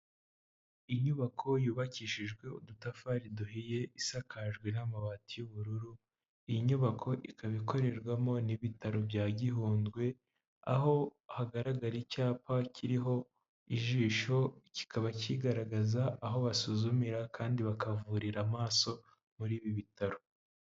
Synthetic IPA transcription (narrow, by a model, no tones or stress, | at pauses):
iɲuβakʰo̞juːβaciːʃiʒɡwe̞udutafaɾiduhɦije̞ʔisakaʒɡwe̞namaβaːtijuβuɾuɾu | ijiɲuβakʰo̞ʔikaβiko̞ɾe̞ɾɡwamo̞niβitaɾo̞bjaːɟiɦuːndɡwe̞ | a̰ɦo̞haɡaɾaɡaɾicaːpacʰiɾiɦo̞ | iʒiːʃo̞ci̥kʰaβaciɡaɾaɡazaːɦo̞βasuzumiɾakaːndiβakavuɾiɾamaːso̞ | muɾiːβiβitaɾo